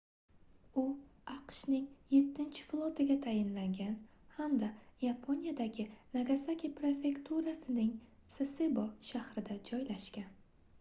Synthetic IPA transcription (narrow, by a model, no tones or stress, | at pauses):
ʊaqʃnɪŋje̞t̪ʰːɪnt͡ʃʰɪ̥flˠot̪ʰɪɡʲat̪ʰajɪnlaŋɡʲanhamd̪ajapʰo̞nijad̪aɡʲɪnaɡasakʲipɾefʲe̞kt̪ʰuɾasɪnɪŋ | seseboʃahɾɪd̪ad͡ʒɒjlaʃkʲan